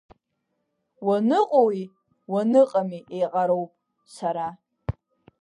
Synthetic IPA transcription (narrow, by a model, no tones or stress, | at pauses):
wanɨqʼowi | wanɨqʼamiʔejqʼaɾo̞wpʼ | saɾa